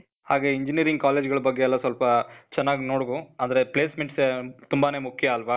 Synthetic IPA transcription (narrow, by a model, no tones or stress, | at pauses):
haːɡeːiɲd͡ʒiniɐɾiŋɡ̚kaːleːd͡ʒɡɐɭɐbɐɡːeɛlːɐsʋɐlpɐt͡ʃɛnːaːɡino̞ːɽɡuɐnd̪ɐɾepleːsmeɳʈset̪umbane̞ːmukʰːjɐːlʋɐ